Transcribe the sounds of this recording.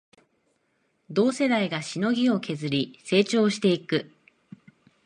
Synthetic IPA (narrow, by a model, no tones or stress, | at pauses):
d̪o̞ːse̞d̪aiɡaɕino̞ɡʲio̞kʰe̞zɨɾʲise̞ːt͡ɕo̞ːɕi̥t̪e̞ikɯ̟